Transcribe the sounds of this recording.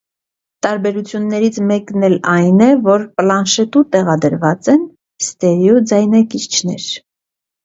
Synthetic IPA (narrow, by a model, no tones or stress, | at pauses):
t̪ɑɾbɛɾut͡sʰjunːɛɾit͡sʰmɛknɛlɑjnɛvɔɾplɑnʃɛt̪ut̪ɛʁɑd̪əɾvɑt͡sɛn | st̪ɛɾjud͡zɑjnɑkit͡ʃʰnɛ̰ɾ